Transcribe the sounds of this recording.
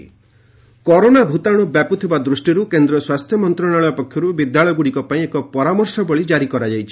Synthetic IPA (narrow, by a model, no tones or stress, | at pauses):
kɔɾonabʱut̪aɽ̃ubjaput̪ʰibad̪ɾusʈiɾukend̪ɾɔswast̪ʰjɔmɔnt̪ɾɔɽ̃aɭɔjɔpɔkʰjɔɾubid̪jaɭɔjɔɡuɽikɔpaĩekɔpɔɾamɔɾsɔbɔɭid͡ʒaɾikɔɾad͡ʒajt͡ʃʰi̥